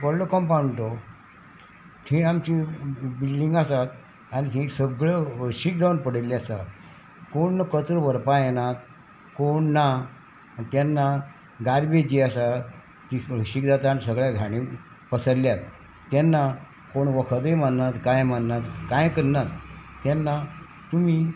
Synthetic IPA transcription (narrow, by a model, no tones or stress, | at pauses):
kɔlɖəkɔmpaɳʈ̪o | t̪ʰẽamt͡ɕibilɖiŋɡasat̪ | anit̪ʰẽsəɡɭeɕik̚d͡zaunpəɽelːiasa | koɳːəkət͡səɾʋəɾpajenat̪ | koɳːa | t̪janːa | ɡaɾbed͡ʑiasa | t̪iɕikd͡zat̪aanisəɡɭjaɡʱaɽ̃ĩ | pəsəljat̪ː | anːa | koɳʋəkʰət̪ejmanːat̪kajmanːat̪kajkəɾnat̪ːjanːa | t̪um̤iː